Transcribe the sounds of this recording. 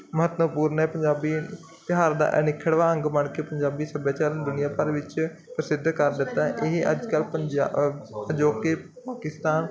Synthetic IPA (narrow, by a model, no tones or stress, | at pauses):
məɦət̪nəpuːɾnɛːpəɲd͡ʒaːbiː | t̪ɪɦaːɾd̪a̰ːʔnɪkʰəɽʋaːə̃ŋɡməɳkeːpəɲd͡ʒaːbiːsəbjaːt͡ʃaːɾd̪ʊnɪjaːpəɾʋɪt͡ʃpɾəsɪd̪kəɾd̪ɪt̪ːaːʔɪɦʔə̰d͡ʒkəlpəd͡ʒ | əd͡ʒoːkeː | paːkɪst̪aːn